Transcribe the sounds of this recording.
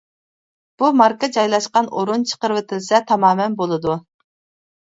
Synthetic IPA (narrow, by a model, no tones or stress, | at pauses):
b̥umɑɾkɑd͡ʒɑjlˠɑʃqɑnoɾunt͡ʃʰə̥qəɾɨvɪt̪ʰɪlsɛt̪ʰɑmɑːmɛnbolˠɨd̪u